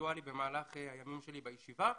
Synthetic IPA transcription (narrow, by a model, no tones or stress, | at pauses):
alibe̞maːlaχehajamimʃe̞libajeʃiva